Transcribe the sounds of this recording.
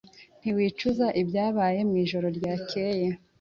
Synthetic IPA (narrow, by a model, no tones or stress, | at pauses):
n̥iwiːt͡ʃuzaʔibɟaːβaːje̞mwiːʒo̞ɾo̞ɾɟaːkʰeje